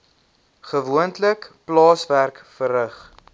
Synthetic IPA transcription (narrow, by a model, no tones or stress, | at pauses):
χəvuəntləkplɑːsværkfəɾəχ